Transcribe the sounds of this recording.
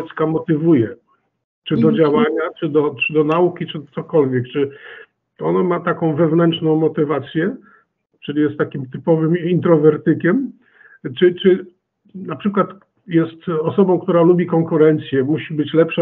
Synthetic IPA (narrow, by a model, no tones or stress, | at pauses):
ɛt̪skamɔt̪ɘvujɛ | t͡ʂɘd̪ɔd͡ʑawaɲat͡ʂɘd̪ɔt͡ʂɘd̪ɔnaukʲit͡ʂɘt̪sɔkɔlvʲjɛkt͡ʂɘ | ɔnamat̪akɔ̃w̃vɛvnɛnt͡ʂnɔ̃w̃mɔt̪ɘvat̪sʲjɛ | t͡ʂɘlʲijɛst̪ːakʲimt̪ɘpɔvɘmint̪ɾɔvɛɾt̪ɘkʲɛm | t͡ʂɘt͡ʂɘ | napʂɘkwat̪ | jɛst̪ɔsɔbɔ̃w̃kt̪uɾalubʲikɔŋkuɾɛnt̪sʲjɛmuɕibɘt͡ɕlɛpʂa